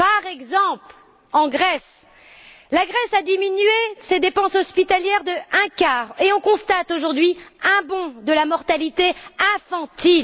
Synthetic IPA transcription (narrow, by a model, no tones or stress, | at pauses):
paʁɛɡzɑ̃pl | ɑ̃ɡʁɛs | laɡʁɛsad̪iminɥesed̪epɑ̃sɔspit̪aljɛʁd̪əɛ̃kaːʁeɔ̃kɔ̃st̪at̪oʒuʁd̪ɥiɛ̃bɔ̃d̪əlamɔʁt̪alit̪eɛ̃fɑ̃t̪il